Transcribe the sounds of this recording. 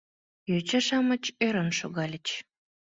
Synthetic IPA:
jøt͡ɕəʃɑmət͡ɕøɾənʃoɣɑlʲət͡ɕ

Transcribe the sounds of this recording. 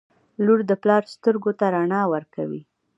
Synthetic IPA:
luɾd̪əplɑɾst̪əɾɡot̪aɾaɳɑwəɾkawi

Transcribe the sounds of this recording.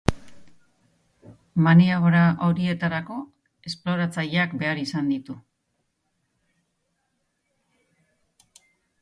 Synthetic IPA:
maniaɣoɾaʔo̞ɾie̞t̪aɾako̞ | e̞splo̞ɾat͡saʎeakbe̞aɾisand̪it̪u

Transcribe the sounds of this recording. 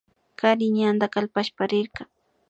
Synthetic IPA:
kaɾɪɲand̪akalpaʃpaɾɪɾɢɑ

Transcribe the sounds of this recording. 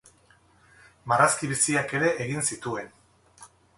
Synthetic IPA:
maraskiβ̞isiake̞ɾe̞ʔeɣinsit̪ue̞n

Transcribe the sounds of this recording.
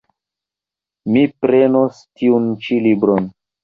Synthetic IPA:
mipɾe̞nostiunt͡ʃilibɾon

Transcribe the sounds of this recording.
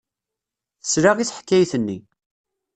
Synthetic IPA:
θə̥sɾaʁiθħkːæjθənːi

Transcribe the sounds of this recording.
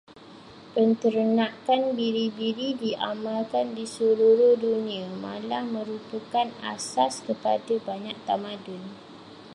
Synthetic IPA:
pənt̪əɾənãkanbiɾibiɾidiʔa̰mãlkandisuluɾohdunĩamã̰lamə̃ɾupəkana̰saskəpa̰dabaɲak̚t̪amãdʊn

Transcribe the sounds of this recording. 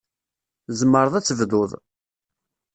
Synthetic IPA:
zəmːəɾˤəðˤæt͡sːəvðʊðˤ

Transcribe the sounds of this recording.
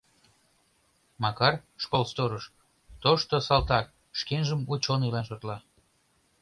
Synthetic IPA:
mɑkɑrʃkolst̪oɾəʃ | t̪oʃt̪osɑlt̪ɑk̚ | ʃkenʒəmut͡ɕoneilɑnʃot̪lɑ

